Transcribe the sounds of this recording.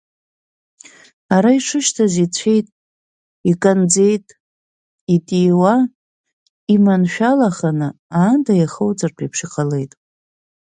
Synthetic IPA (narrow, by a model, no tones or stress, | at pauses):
aɾaiʂɨʃtʰazit͡ɕʷʰe̞jtʼ | ikʼand͡ze̞jtʼ | itʼiwa | imanʃᶣalaχanɨ | aːndajaχowd͡zartʰipʰʂiqʰʼale̞jtʼ